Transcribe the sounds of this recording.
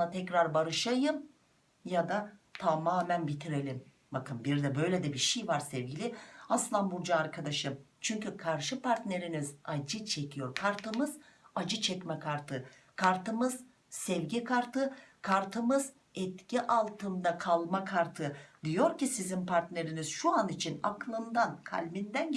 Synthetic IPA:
at̪ʰɛcɾaɾbaɾɯʃajɯm | jad̪at̪ʰamaːmænbit̪ʰiɾe̞lʲim | bakʰɯmbiɾd̪ɛbø̞jlʲed̪ɛbiʃejvaɾsɛvɟilʲɪaslˠanbuɾd͡ʒaːɾkʰad̪aʃɯm | t͡ʃʰyɲcykʰaɾʃɯpʰaɾt̪ne̞ɾinizad͡ʒɯt͡ʃʰe̞cʰijo̞ɾkʰaɾt̪ʰɯmɯz̥ad͡ʒɯt͡ʃʰɛcmɛkʰaɾt̪ʰɯ | kʰaɾt̪ɯmɯz̥ | sɛvɟikʰaɾt̪ʰɯkʰaɾt̪ʰɯmɯz̥ | ɛt̪cʰiʔalˠt̪ʰɯmd̪akʰalˠmakʰaɾt̪ʰɯd̪ijo̞ɾcisizimpʰaɾt̪ne̞ɾiniz̥ʃuanit͡ʃʰina̰klˠɯnd̪ankʰa̰lʲbind̪æn

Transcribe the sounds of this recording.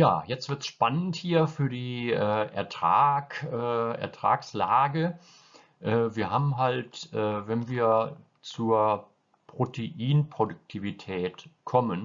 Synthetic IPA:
ja̰ːjɛt͡stv̥ɪɐtsʃpanənthiːɐfyːɐdiːʔɛːʔɛ̰ɐtʁ̥aːkʔɛːɛ̰ɐtʁ̥a̰ːkslaːɡə | ʔɛːviːɐhaːbm̩ɦaltʔɛːvɛnviːɐ | t͡suːɐ | pʁ̥otʰeʔiːnpʁ̥odʊk̚tʰivitʰɛːtkʰɔmən

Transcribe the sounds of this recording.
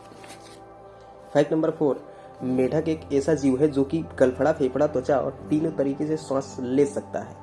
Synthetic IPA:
fʰaːɪʈnɐ̃mbəɾfʰoːɾ | meːʈʰəkeːkɛːsad͡ʒiːuɦɛd͡ʒoːkiɡɐlpʰəɽapʰeːpʰɽat̪ot͡ʃaɔ̰ːɾt̪iːnot̪ɐɾiːkesesãːsleːsɐk̚t̪a̰ɦɛː

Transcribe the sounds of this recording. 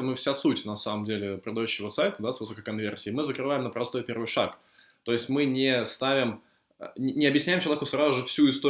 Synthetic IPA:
əmɨfsʲasutʲnɐsaməmdʲelʲɪpɾəd̪ɐjʉɕːɪvəsajt̪əd̪asvɨso̞kəkɐnvʲe̞rsʲɪːmɨzəkɾɨvajɪmnəpɾɐst̪ojpʲe̞rvɨjʂak | t̪o̞ɪsʲtʲmɨnʲɪst̪avʲɪmʲ | ɪnʲɪɐbjɪsʲnʲæjɪmt͡ɕɪlˠɐvʲekʊsɾazʊʐɨfsʲuɪst̪o

